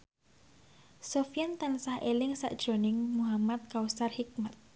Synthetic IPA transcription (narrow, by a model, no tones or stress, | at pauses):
sofijant̪ansahʔelɪŋsa̰ʔd̥ʒ̥ɾonɪŋmuɦamat̪̚kausarhik̚mat̪̚